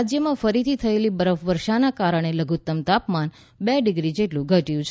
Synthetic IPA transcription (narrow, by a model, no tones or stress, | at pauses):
d͡ʒjəmãfəɾit̪ʰit̪ʰəelibəɾəfʋəɾʃanakaɾəɳ̃eləɡut̪ːəmt̪apman | beɖɪɡɾid͡ʒeʈlũɡʱəʈijũt͡ʃʰ